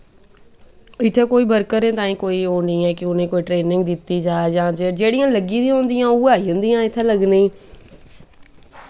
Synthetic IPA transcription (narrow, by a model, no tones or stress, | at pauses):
ɪt̪ʰekoːibəɾkəɾẽt̪aːĩkoːiɦoːnĩɛ̃ːkɪʊn̤ẽkoːiʈɾeːnɪ̃ŋɡd̪ɪt̪id͡ʒaːjãːd͡ʒed͡ʒeːɽijãːləɡĩd̪ĩɦõːnd̪ijãːuːaːiə̃nd̪ijãːɪt̪ʰẽləɡnĩː